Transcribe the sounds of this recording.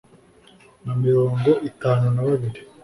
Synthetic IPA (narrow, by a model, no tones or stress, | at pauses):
namiɾo̞ːŋɡo̞ʔitaːnunaβaβiɾi